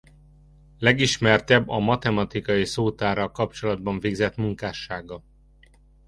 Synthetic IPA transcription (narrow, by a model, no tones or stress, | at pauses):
lɛɡiʃmɛrt̪ɛbːɒmɒt̪ɛmɒt̪ikɒjisoːt̪aːɾɒlkɒp̚t͡ʃo̞lɒd̪̚bɒɱveːɡzɛt̪muŋkaːʃaːɡɒ